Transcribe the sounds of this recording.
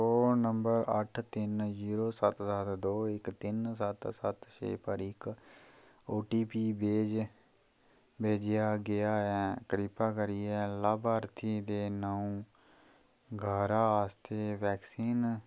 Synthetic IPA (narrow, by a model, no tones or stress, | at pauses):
oːnəmbəɾəʈʰt̪ɪnziːɾoːsət̪sət̪d̪oːɪkt̪ɪnsət̪sət̪ʃḛːpəɾɪk | oːʈiːpiːbeːd͡ʒ | beːd͡ʒɪjaːɡɪjaːɛːkəɾipaːkəɾijɛːlaːbaːɾt̪ʰiːd̪eːnəũː | ɡʱaːɾaːaːst̪ʰeːʋɛːksiːn